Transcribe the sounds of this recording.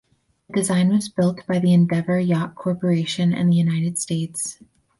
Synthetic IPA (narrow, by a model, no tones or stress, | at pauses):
ɨdɨzãɪ̃nwʌzbɪlˠt̚b̥aɪðiɨ̃ndɛvə˞jɑkkʰɔɹpə˞eɪʃɨ̃nɨ̰̃nðɨjʉnaɪɾɨd̥steɪts